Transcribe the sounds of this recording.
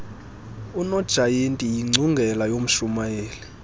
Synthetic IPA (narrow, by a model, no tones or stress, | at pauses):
unɔd̥ʒ̥ʱajentʼijiŋ͡ǀʱuŋɡʱɛlajom̩ʃumajeːli